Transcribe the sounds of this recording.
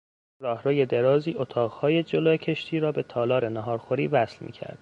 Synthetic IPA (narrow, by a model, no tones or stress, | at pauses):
ɾɒːhɾoːje̞d̪e̞ɾɒːziːʔot̪ʰɒːʁhɒːje̞d͡ʒoloːcʰe̞ʃt̪ʰiːɾɒːbe̞t̪ʰɒːlɒːɾenæɦɒːɾxo̞ɾiːvæslmḭːcʰæ̰ɾd̪̥